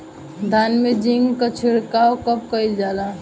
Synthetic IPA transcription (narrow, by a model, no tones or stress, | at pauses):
d̪ʱanmed͡ʒiŋɡkət͡ʃʰiɽkaokəp̚kəjld͡ʒala